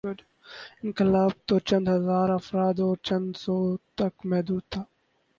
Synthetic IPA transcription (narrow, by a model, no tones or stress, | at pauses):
ɪ̃nkɪlaːb̚t̪oːt͡ʃɐ̃nd̪ɦɐzaːɾɐfɾaːd̪oːɾt͡ʃɐ̃nd̪soːt̪ɐkmɛɦd̪uːd̪̚t̪ʰaː